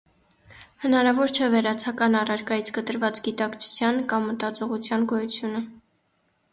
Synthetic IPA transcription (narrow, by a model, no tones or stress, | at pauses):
hənɑɾɑvɔɾt͡ʃʰɛvɛɾɑt͡sʰɑkɑnɑrɑɾkɑjit͡sʰɡət̪əɾvɑt͡sɡit̪ɑkt͡sʰu̥t͡sʰjɑnkɑmːət̪ɑt͡sɔʁut͡sʰjɑnɡɔjut͡sʰjunə